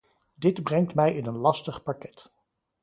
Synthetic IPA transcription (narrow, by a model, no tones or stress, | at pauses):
dɪdbrɛŋtmɛjɪnənlɑstəχpɑkɛt